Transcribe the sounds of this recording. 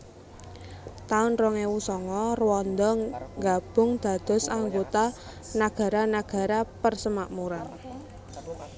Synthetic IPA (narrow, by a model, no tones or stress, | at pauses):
t̪aʊnrɔŋewusɔŋɔrwɔnd̪ɔŋɡab̥ʊ̤ŋd̪̥a̤d̪̥ɔ̤saŋɡot̪a | naɡ̥a̤ɾanaɡ̥a̤ɾapərsəmaʔmuɾan